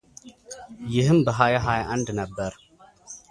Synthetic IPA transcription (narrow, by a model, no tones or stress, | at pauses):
jɪhɨmbəɦajaɦajʔand̪nəbːəɾ